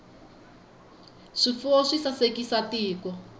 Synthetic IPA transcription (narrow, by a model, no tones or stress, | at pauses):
ʂifuɔʂisasekisatiːkɔ